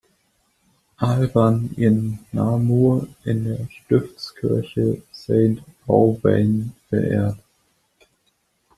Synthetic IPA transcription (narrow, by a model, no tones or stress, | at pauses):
ʔalbanɪnːaːmuɐʔɪndeːɐʃtɪft͡skʰɪɐçəseɪntaʊvɛɪnfɛɐʔḛːɐt